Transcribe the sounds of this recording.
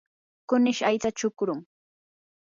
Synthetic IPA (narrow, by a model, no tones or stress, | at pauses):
kʊnɪʃajt͡sat͡ʃʊkɾʊŋ